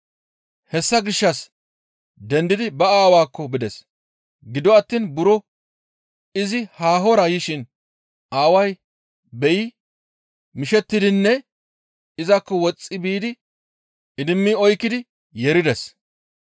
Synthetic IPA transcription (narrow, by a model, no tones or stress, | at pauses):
hɛsːɐɡɪʃːɐs | d̪ɛnd̪ɪd̪ɪbɐaːwaːkːɔbɪd̪ɛs | ɡɪd̪ɔɐt̪ːiːnbʊɾɔ | ɪzɪhaːɦɔɾɐjɪʃɪn | ʔaːwɐj | bɛjɪ | mɪʃɛt̪ːɪd̪ɪnːɛ | ɪzɐkːɔwɔt͡sʼːɪbiːd̪ɪ | ɪd̪ɪmːɪɔjkːɪd̪ɪ | jɛɾɪd̪ɛs